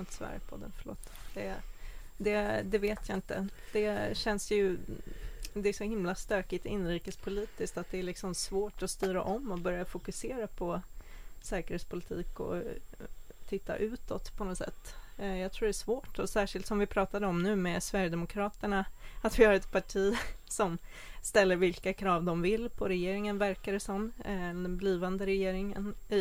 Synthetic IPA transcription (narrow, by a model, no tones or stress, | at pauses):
ant̪svæ̰ɾjəpʰɔ̰d̪ːə̰nfəɭo̰ːt̪ːd̪̥ɛ | d̪ɛd̪ɛveːt̪ʰjaɪnt̪ə̰d̪̥ɛɕɛnsjɵ | d̪ɛæsɔhɪmlast̪øːkɪt̪ɔɪnːɾiːkəspʰʊliːt̪ɪskt̪at̪̚d̪ɛæɭɪksɔmsvoːʈɔst̪yːɾa̰ʔɔmːɔbœɾjafʊkɵseːɾapʰɔ | sɛːkəɾheːt̪spʰʊlɪt̪ʰiːkɔ̰ | t̪ʰɪt̪ːa̰ʔʉ̟ːt̪ɔt̪ːpʰɔnɔsɛ̰t̪ːjɑt̪ʰɾuːɖɛːʂvoːʈɔsæːʂɪlt̪sɔmvɪpʰɾɑːt̪ad̪əɔmnʉ̟ːmɛsvæɾjəd̪ɛmʊkʰɾɑːt̪əɳaat̪vɪhaɾɛt̪pʰaʈʰiːsɔm | st̪ɛlːəɾvɪlkakʰɾɑːvd̪ɔmvɪlːpʰɔɾɛjeːɾɪŋənvæɾkaɾəsɔmd̪ɛnbliːvand̪əɾɛjeːɾɪŋə̰n